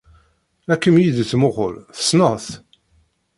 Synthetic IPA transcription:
ækːəmjid̪θmʊʁʊ̰lθə̥snəθ

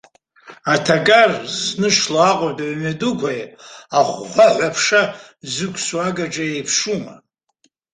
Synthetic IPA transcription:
atʰaɡʼarsnɨʂlaaqʼodaɥmadukʷʰajaχʷːaʕʷapʰʂa | zɨkʷʰʼswaɡaʈ͡ʂʼaejpʰʂuma̰

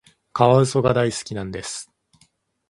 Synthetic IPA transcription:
kaβaɯ̟so̞ɡad̪aisɨ̥kʲinãnd̪e̞sɨ̥

